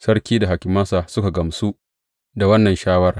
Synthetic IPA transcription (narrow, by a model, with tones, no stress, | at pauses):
sɐ˦rkʲiː˦da˨ɦa˨kʲɪ˨mɐ˦sa˨sʊ˦ka˨ɡɐ˨msu˦ | da˨wɐ˦nːɐ˨nʃaː˦wɐ˦r